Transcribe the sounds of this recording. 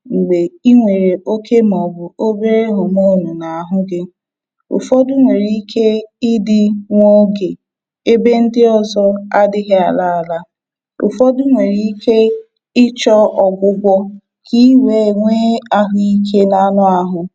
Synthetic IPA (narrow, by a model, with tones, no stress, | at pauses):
ŋ͡m̩˨ɡ͡be˨i˦ŋʷe˨ɾe˨ʔo˦kʰe˦mɔ˨bʊ˨o˦be˦ɾe˦ɦʊ˨m˦o˦˨nʊ˨na˨a˨ɦʊ˦ɡɪ˦ | ʊ̰˨fɔ˦dʊ˦ŋʷe˨ɾi˦kʰe˦ɪ˦dɪ˦ŋʷo˦ɡe˨ | e˦be˦n̩˦dɪ˦ɔ˦zɔ˦a˦dɪ˦ɦɪ˦a˨la˦a˨la˦ | ʊ̰˨fɔ˦dʊ˦ŋʷe˨ɾi˦i˦kʰe˦ | ɪ˦t͡ʃɔ˦ɔ˨ɡʷʊ˦ɡʷɔ˦ | kʰi˦we˨˦˨ŋʷe˦a˦ɦʊ˦i˦kʰe˦na˦nʊ˦a˨ɦʊ˨